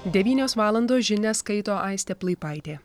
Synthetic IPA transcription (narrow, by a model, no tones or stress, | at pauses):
d̪ʲɛʋʲiːnʲoːsʋɑːlˠɐnd̪oːsʒʲɪnʲɛskɐɪt̪oːʔɐɪsʲt̪ʲɛplˠɐɪpɑɪt̪ʲeː